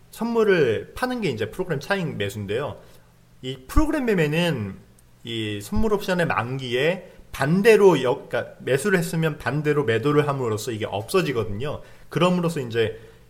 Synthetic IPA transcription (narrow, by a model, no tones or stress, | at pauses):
sʰʌnmːuɾɯɭpʰanɯnɡe̞ind͡ʑe̞pʰɯɾoɡɯɾe̞mt͡ɕʰainme̞sʰunde̞jo | ipʰɯɾoɡɯɾe̞memenɯn | isʰʌnmːuɾʌp̚ɕ͈aʌne̞ma̰ŋɡie̞pande̞ɾojʌik͈ame̞sʰuɾɯɭhe̞s͈ɯmjʌnpande̞ɾome̞doɾɯɭɦamɯɾos͈ʰʌiɡe̞ʔʌ̰p̚s͈ʌd͡ʑiɡʌdɯɲo | kɯɾʌmɯɾos͈ʰʌind͡ʑe̞